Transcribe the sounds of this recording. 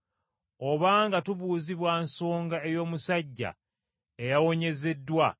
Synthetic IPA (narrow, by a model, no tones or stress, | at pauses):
o̞βaːŋɡatuβuːziβwanso̞ːŋɡae̞jo̞ːmusaɟːa̰ | ejawo̞ɲe̞ze̞dːwa